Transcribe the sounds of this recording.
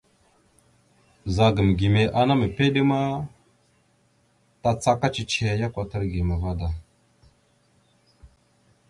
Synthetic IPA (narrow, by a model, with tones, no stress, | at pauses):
za˨ɡə˨m˨ɡi˨me˨ʔa˨na˦mə˨pe˦ɗi˦ma˦ | ta˨t͡sa˦ka˦t͡ʃi˨t͡ʃe˦˨˦ja˦kʷa˨tə˦ɾɡi˨me˨va˦da˨